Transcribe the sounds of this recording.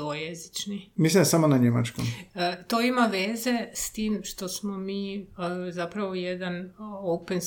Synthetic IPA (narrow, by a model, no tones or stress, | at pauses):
ojezit͡ʃnimislinsamonaɲema̰t͡ʃkomət̪oimaʋeːze̞st̪iːmʃt̪o̞smomiːzapɾaʋojed̪anowpens